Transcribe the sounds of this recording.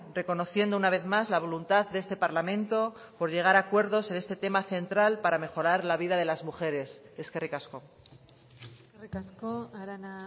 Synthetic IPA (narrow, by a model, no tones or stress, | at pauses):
re̞ko̞no̞θje̞nd̪ounaβ̞e̞θmazlaβ̞o̞lunt̪aðd̪e̞st̪e̞paɾlamẽ̞nt̪o̞ | po̞ɾʎe̞ɣ̞aɾakwe̞ɾðo̞se̞ne̞st̪e̞t̪e̞maθẽ̞nt̪ɾalpaɾame̞xo̞ɾaɾlaβiðað̞e̞lazmuxe̞ɾe̞seskerikasko̞ | erikaskoaɾana